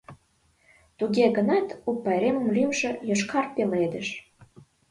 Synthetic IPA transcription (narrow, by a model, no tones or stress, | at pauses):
t̪uɣeɣə̆nɑt̪upːɑɾemə̆mlymʒĕjoʃkɑrpeled̪əʃ